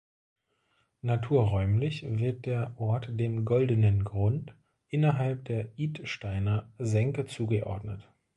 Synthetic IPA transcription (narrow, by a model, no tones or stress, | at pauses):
natʰuːɐʁɔʏmlɪçvɪɐt̚d̥eːɐʔɔɐtd̥eːmɡɔldənənɡʁʊnt | ʔɪnɐɦalp̚d̥eːɐʔiːtʃtaɪnɐzɛŋkət͡suːɡəʔɔ̰ɐdnət